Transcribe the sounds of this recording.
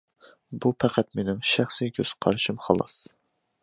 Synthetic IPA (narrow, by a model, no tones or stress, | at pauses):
bupʰæqʰæt̪menɪmʃæχsikʲʰøz̥qʰɑɾʃɪmχɑlˠɑ̰s